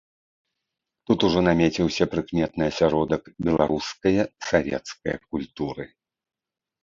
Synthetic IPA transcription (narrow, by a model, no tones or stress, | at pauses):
t̪ut̪uʐɔnamʲet͡sʲiwsʲɐpɾɨkmʲɛt̪nɨɐsʲaɾɔd̪ɐkbʲɛlˠaɾuskɐjɐsavʲɛ̰t̪skɐjɐ̰k̚ulʲt̪uɾɨ